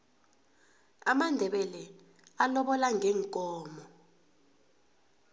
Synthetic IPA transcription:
amandʱɛɓɛlɛ | alɔɓɔlaŋʱɛːŋkʼɔːmɔ

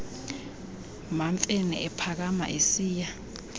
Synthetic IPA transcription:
maɱfʼenɛ̰ɛpʰak̬ama̰ʔesiːja

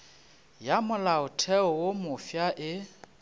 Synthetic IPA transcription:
jamʊlaʊtʰɛɔwomʊfjaʔɪ

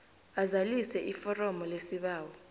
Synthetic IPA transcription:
azalisɛʔifɔrɔmɔlesiɓaːwɔ

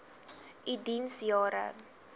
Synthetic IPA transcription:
ʔidinsjɑːɾə̰

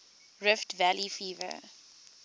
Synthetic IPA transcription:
ɹɪftvælifiːvə̰

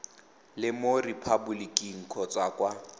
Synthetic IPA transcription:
lɪmoripʰabulikʼiŋ̩kʰɔt͡sʼwakʼwa

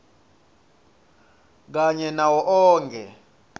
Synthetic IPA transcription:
k̬aɲɛnawɔʔɔːŋkʰɛ

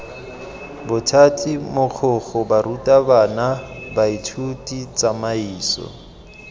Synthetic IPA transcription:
bʊtʰatʼimok͡xʰʊχɔbaɾutʼabanabaitʰutʼit͡sʼamaiːsɔ̰

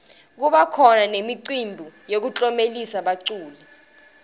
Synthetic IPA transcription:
k̬uɓakʰɔnanemiǀimbʱujok̬ut͡ɬʼɔmelisaɓaǀuːli

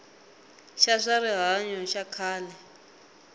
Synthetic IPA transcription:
ʃaʂaɾiɦaɲɔʃakʰaːlɛ

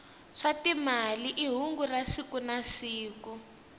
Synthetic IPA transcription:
ʂatimaliʔiɦuŋɡurasikunasiːku

